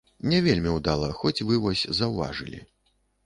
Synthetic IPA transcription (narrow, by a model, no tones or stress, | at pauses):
nʲɛvʲelʲmʲiwd̪alˠɐxɔt͡sʲvɨvɔsʲzɐwva̰ʐɨ̰lʲḭ